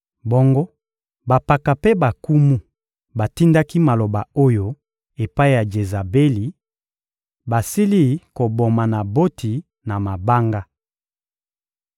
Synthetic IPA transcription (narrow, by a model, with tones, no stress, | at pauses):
bo˦ŋɡo˦ | ba˨pa˨ka˨pe˦ba˨ku˦mu˦ | ba˨ti˦nda˦ki˦ma˨lo˨ba˨o˦jo˦ | e˨pa˦i˦ja˨d͡ʒe˨za˨be˦li˨ | ba˨si˦li˦˨ko˨bo˨ma˨na˨bo˦tʰi˨ | na˨ma˨ba˦ŋɡa˦